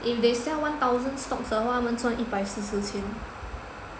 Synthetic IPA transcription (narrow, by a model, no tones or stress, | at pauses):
ʔifd̪esɛwãnt̪awzə̃nstɔk̚təwamə̃nsãnʔipajsisətʰĩn